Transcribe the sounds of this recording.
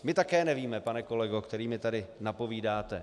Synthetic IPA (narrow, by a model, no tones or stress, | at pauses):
mɪt̪akɛːnɛviːmɛpanɛko̞lɛɡokt̪ɛɾiːmɪt̪adɪnapo̞viːdaːt̪ɛ